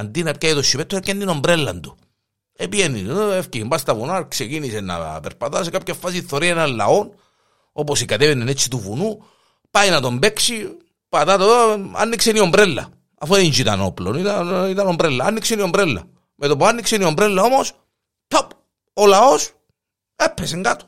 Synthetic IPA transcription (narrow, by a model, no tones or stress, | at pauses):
ɐnd̪inɐpcɐjit̪oʃːipet̪ːocend̪inombɾelːɐ̰nd̪u | epijenːḭefciimbɐst̪ɐvunaksecinisenːɐ̰peɾpɐt̪asekapçɐfːas̬iθːoɾiɐenɐlːɐ̰o̞n | o̞posikɐt̪evenenet͡sːit̪uvunu | pajnɐt̪o̞mbe̞ksi | pɐt̪at̪oa̰nːikseniombɾelːɐ̰ | ɐfoðinzit̪ɐ̰no̞plonit̪ɐnit̪ɐnombɾelːɐɐnːiksenio̞mbɾelːɐ̰ | met̪opuanːikseniombɾelːɐo̞mos | t̪op | olɐo̞s | epːeseŋɡat̪o̥